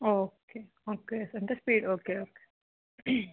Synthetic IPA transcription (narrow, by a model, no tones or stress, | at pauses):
oːkeː | oːkeːsɐɳd̪ɐspiːɖoːkeoːke̥